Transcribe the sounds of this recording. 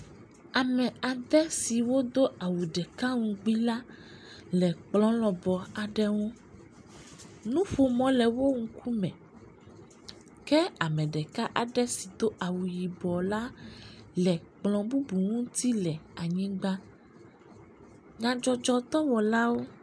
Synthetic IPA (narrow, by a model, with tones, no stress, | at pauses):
a˨mɛ̃˨a˨d̪ɛ˦si˨wo˦d̪o˦a˨wu˨ɖɛ˨ka˦ŋũ˦ɡ͡bi˦la˦ | lɛ˨k͡plɔ̃˦lɔ̃˨bɔ˨a˨ɖɛ˦ŋũ˦ | nũ˦ɸo˨mɔ̃˨lɛ˨wo˦ŋ̩˦kʰu˦mɛ̃˨ | kɛ˦a˨mɛ̃˨ɖɛ˨ka˦ʔa˨ɖɛ˦si˨d̪o˦ʔa˨wu˨ji˨bɔ˨la˦lɛ˨k͡plɔ̃˨bu˦bu˨ŋũ˦t̪i˦lɛ˨a˨ɲĩ˦ɡ͡ba˦ | ɲã˨d͡ʒɔ˨d͡ʒɔ˦t̪ɔ˦wɔ˨la˦wo˦